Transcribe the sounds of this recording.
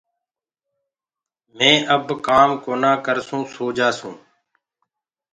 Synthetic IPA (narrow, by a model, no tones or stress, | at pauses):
mẽːʔəbkaːmkoːnãːkəɾsũːsoːd͡ʒaːsũː